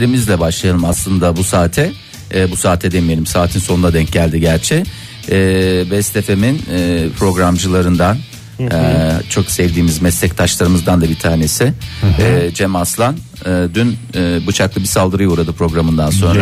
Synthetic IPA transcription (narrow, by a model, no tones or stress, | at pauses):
ɾimizlʲɛbaʃlˠajalˠɯmaslˠɯnd̪abusaːt̪ʰɛ | busaːt̪ʰɛd̪emije̞lʲimsaːt̪ʰinso̞nunad̪ɛɲc̚ɟælʲd̪iɟæɾt͡ʃʰɛː | bɛst̪ʰefeminːpʰɾo̞ɡɾamd͡ʒɯlˠaɾɯnd̪an | t͡ʃʰo̞ksɛvd̪iːmizmɛslʲɛct̪ʰaʃlˠaɾɯmɯzd̪and̪abit̪ʰaːne̞sɪɛd͡ʒɛmaslˠan | ɯːd̪ynːbɯt͡ʃʰaklˠɯbisalˠd̪ɯɾɯjouɾad̪ɯpʰɾo̞ɡɾamɯnd̪anso̞nɾa